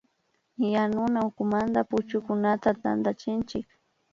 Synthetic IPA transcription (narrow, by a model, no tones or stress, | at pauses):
janʊnaʊkʊmand̪apʊt͡ʃʊkʊnat̪at̪a̰nd̪at͡ʃɪnt͡ʃɪk